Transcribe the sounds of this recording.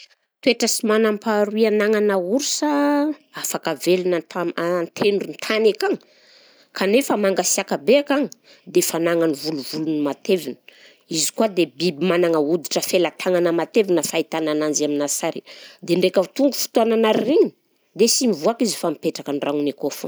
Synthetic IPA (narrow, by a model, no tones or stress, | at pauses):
t̪weʈ͡ʂəsimanampaɾuianaŋanauɾusaafakavelnat̪ant̪ʰenunt̪ʰanakaŋi | kʰanefəmaŋɡasiakabeakaŋi | d̪efanaŋanivuluvulunimat̪evinə̥ | izi̥kuad̪ebibimanaŋəud̪iʈ͡ʂəfelat̪ʰaŋanəmat̪evinəfait̪ananand͡ʒaminasaɾḭd̪eɳɖ͡ʐekət̪uŋɡu̥fu̥t̪uananaɾireɲi | d̪esimivuakizifamipeʈ͡ʂakanraŋunekofu